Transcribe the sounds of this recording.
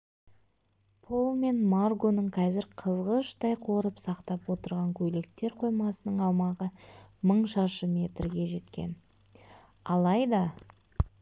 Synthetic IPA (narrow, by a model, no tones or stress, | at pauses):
pʰo̞lˠme̞nmarɡo̞nəɴqʰɑzɪɾqʰəzʁəʃt̪ɑjqʰo̞ɾəpsɑqt̪ɑpwo̞t̪əɾʁɑŋkʲʰɵle̞k̚t̪e̞ɾqʰo̞jmɑsənəɴɑwmɑʁəməɴʃɑʃəme̞t̪rɡʲe̞ʒe̞t̪kʲe̞̰n | ɑlˠɑjd̪ɑ